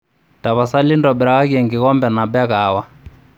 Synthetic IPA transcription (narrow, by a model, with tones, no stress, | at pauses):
ta˨βa˨sa˦li˦ndɔ˨bɛ˨ɾa˨a˦ɣɛ˨ŋɡi˨ɣɔ˦mbɛ˨na˨bɛ˦ɣaː˨wa˦